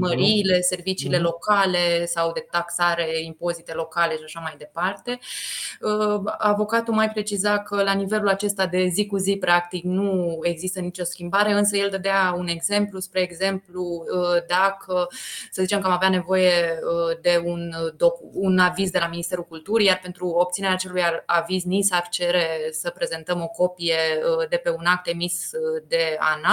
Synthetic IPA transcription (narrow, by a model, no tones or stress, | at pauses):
məɾiːle̞se̞rvit͡ʃiːle̞lo̞kale̞sawd̪e̞t̪aksaɾe̞impo̞zit̪e̞lo̞kale̞ʃiaʃamajd̪e̞part̪e̞ | əavo̞kat̪umajpɾe̞t͡ʃizakəlanive̞lulat͡ʃe̞st̪ad̪e̞zikuzipɾak̚t̪iknue̞ɡzist̪ənit͡ʃo̞skʲimbaɾe̞ɨns̬əje̞ld̪əd̪eaune̞ɡze̞mpluspɾe̞ːɡze̞mplud̪akʰəsəzit͡ʃe̞mkəamaveane̞vo̞je̞əd̪e̞und̪o̞kuunavizd̪e̞laminist̪e̞ɾulkult̪uɾijarpe̞nt̪ɾuo̞p̚t̪sineɾeaːt͡ʃe̞lujaaviznisaft͡ʃe̞ɾe̞səpɾe̞ze̞nt̪əmo̞ko̞pije̞d̪e̞pe̞unak̚t̪e̞misd̪e̞a̰na